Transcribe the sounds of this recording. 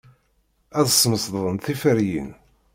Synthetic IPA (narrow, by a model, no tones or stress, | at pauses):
æðsːməsððˤənθifəɾjḭn